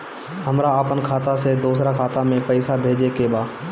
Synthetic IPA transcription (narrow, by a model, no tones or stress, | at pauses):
ɦɐmɾaəpənkʰaːt̪ased̪uːsɾakʰaːt̪amẽpəɪsabʱeːd͡ʒekebaː